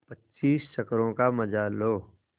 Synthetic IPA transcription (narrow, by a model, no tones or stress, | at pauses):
pətːʃiːsʃɐkɾõkamɐd͡ʒaloː